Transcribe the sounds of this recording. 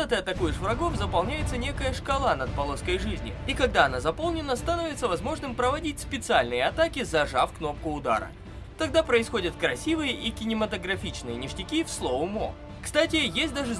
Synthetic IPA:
ət̪əɐt̪ːɐkujɪʂvɾɐɡo̞fzəpɐlˠnʲæjɪt̪sənʲe̞kəjəʂkɐlˠanɐt̪̚pɐlˠo̞skəjʐɨzʲnʲɪ̰ikɐɡ̚d̪aɐnazɐpo̞lˠnʲɪnəst̪ɐnovʲɪt̪səvɐzmo̞ʐnɨmpɾəvɐdʲit̚ʲspʲɪt̪sɨalʲnɨjəɐt̪akʲɪzɐʐafkno̞p̚kʊʊd̪a̰ɾə̰ | t̪ɐɡd̪apɾəɪsxo̞dʲət̪kɾɐsʲivɨjəʔikʲɪnʲɪmət̪əɡɾɐfʲit͡ɕnɨjənʲɪʂtʲɪkʲifslˠovʊmo̰ | kst̪atʲɪjesʲt̚ʲd̪aʐɨ

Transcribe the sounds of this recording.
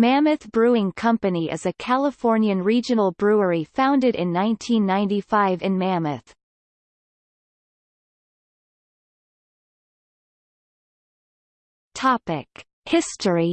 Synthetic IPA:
mæmɨθb̥ɹʉɪ̃ŋkʰʌ̃mpɨniʔɨ̰zɨkʰælˠəfɔɹnjɨ̃nɹid͡ʒɨ̃nl̩ˠbɹʉə˞ifãʊ̃ndɨɾɨ̰̃nːãɪ̃ntʰĩnːãɪ̃ntifaɪvɨ̃nmæmɨθ | tʰɑpɪk | hɪstəi

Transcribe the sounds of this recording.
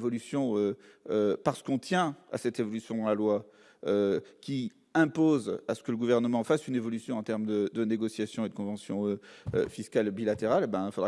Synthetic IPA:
vɔlysjɔ̃øøpaʁsə̥kɔ̃t̪jɛ̃a̰sɛt̪evɔlysjɔ̃d̪ɑ̃lalwa | økʲi | ɛ̃pozasə̥kələɡuvɛʁnəmɑ̃fasynevɔlysjɔ̃ɑ̃t̪ɛʁmd̪əd̪əneɡɔsjasjɔ̃ed̪əkɔ̃vɑ̃sjɔ̃øø̰fiskalbilat̪eʁalebɛ̃ilfod̪ʁ

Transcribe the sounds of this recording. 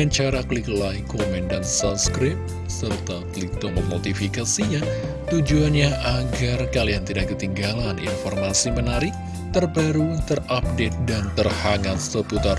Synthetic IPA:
aɲt͡ʃaɾakliklaikomɛndansaskɾɪp̚ | sərt̪aklit̪ɔməmot̪ifikasiɲa | t̪ud͡ʒuanɲaʔaɡarkaliant̪idaʔk̚ɡət̪iŋɡalanḭnfɔrmasimənaɾɪk̚ | t̪ərbaɾut̪ərap̚det̪̚dant̪ərhaŋat̪̚səput̪ar

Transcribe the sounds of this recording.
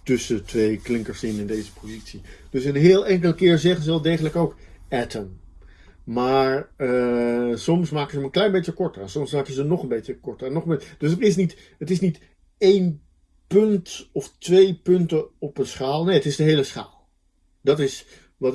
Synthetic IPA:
tɵsətʋejklɪŋkəɹsɪnɪndejzəpozitsid̥ɵsənɦɪːlˠɛŋkəlˠkɪːɹzɛχənzəɛlˠdejχənləkowkɛtəm | maːɹəsɔmsmaːkəzəmənklɛjnbejcəkɔɹtəɛnsɔmslaːkənzəənɔχənbejcəkɔɹtərɛnɔχəbed̥ɵsətɪs̬nit | ətɪsnit | ejn | pɵntɔftʋejpɵntəɔpənsχaːlˠnejətɪsdəɦejləsχa̰ːlˠ | dɑtɪs | ʋɑt

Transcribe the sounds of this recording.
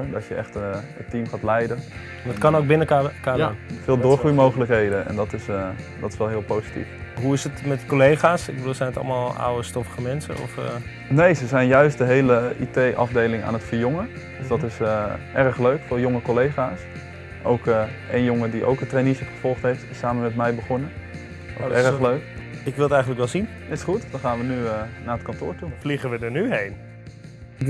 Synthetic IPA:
ɹdɑtjəʔɛ̰χtətimχaːtlɛjdən | nətkɑnowɡ̚bɪnəkːkaːdanfɪːlˠdʊːɹχrujmowχələkɦejdənɛ̰ndɑtɪs | dɑtɪ̥sʋɛlˠɦɪːlˠpowzi̥tḭfɦuɪsətmɛtkolejχaːsɪ̰k̚ɡbəduːlˠzɛjnətɑ̰lˠmaːlˠa̰wəstɔfəχəmɛnsə̰nɔ̰f | nejzəzɛjnjœɥst̚dəɦejləʔitejʔɑvdejlɪŋa̰ːnətfəɹjɔŋə | døsdɑtɪsəʔɛrəχløɥkfɪːlˠjoŋəkolejχaːs | ʔowkəʔejnjoŋədiʔo̰wkətreniʃəχəv̥ɔlˠχtɦejftɪsaːmənmɛtmɛjbəχɔnə | ɛrəχløɥkɪkʋɪlˠətɛjχən̩ləkʋɛlˠzin | ɪsχutdɑnχaːnʋənyənaːət̚kɑntʊ̰ːɹtufliχəʋədəɹnyɦejn

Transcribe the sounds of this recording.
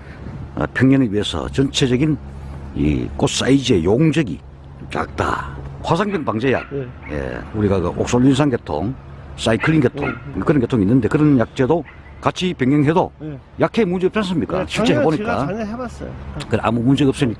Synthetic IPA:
ʌ̰pʰjʌŋɲʌnɯɥiɦe̞sʰʌ̰t͡ɕʌnt͡ɕʰe̞d͡ʑʌɡinḭk͈os͈aid͡ʑie̞joŋd͡ʑʌɡḭ | ka̰k̚t͈a̰kwasʰaŋbjʌŋpaŋd͡ʑe̞ja̰k̚jḛuɾiɡakɯʔo̰k̚s͈oɭːins̬ʰaŋɡe̞tʰo̰ŋs͈aikʰɯɭːinɡetʰo̰ŋkɯɾʌnɡetʰoŋinːɯnde̞kɯɾʌnjak̚t͡ɕ͈edo | kat͡ɕʰipeŋːjeŋɦedo | jakʰemund͡ʑeːpt͡ɕ͈ans͈ɯmɲik͈a̰ɕʰiɭt͡ɕ͈eɦeboɲik͈a | kɯʔa̰mumund͡ʑeɯps͈ɯɲik͈

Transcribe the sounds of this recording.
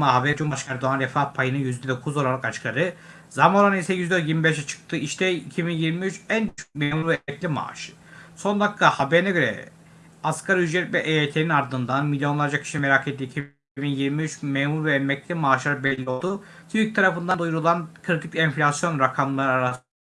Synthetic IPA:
maɦabɛɾd͡ʒumbaʃkʰaɾd̪oanɾɛfapʰajɯnɯnjyzd̪ɛd̪o̞kʰuzo̞lˠaɾˠakat͡ʃkʰaɾɯ | zamoɾanisɛjyzd̪ɾt̪jiɾmibɛʃ̬ɛt͡ʃʰɯ̥k̚t̪ʰɯiʃt̪ʰɛicʰibinjiɾmiyt͡ʃænt͡ʃʰø̥memuɾvɛmɛclʲima̰ːʃɯ̥ | so̞nd̪akʰːahabeɾinɛɟø̞ɾɛ̰ | askʰaɾɯyd͡ʒɾɛt̪vɛʔejet̪ʰeɾinaɾd̪ɯnd̪anmilʲjo̞nlˠaɾd͡ʒacʰi̥ʃime̞ɾaket̪ːiːcʰi | binjiɾmiyt͡ʃmeːmuɾvɛːmɛclʲimaːʃlˠaɾɯbɛlʲːio̞lˠd̪ut̪ʰyc̚t̪ʰaɾafɯnd̪and̪ujuɾulˠankʰɯɾit̪ʰicʲɛnflʲasjo̞nɾakʰamlˠaɾɯaɾas

